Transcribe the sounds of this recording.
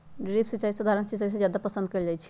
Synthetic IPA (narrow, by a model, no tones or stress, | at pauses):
ɖɾipʰsit͡ʃaisəd̪ʱaɾənsit͡ʃais̬ə̃d͡ʒjad̪apəsənd̪̚kəld͡ʒajt͡ʃʰi̥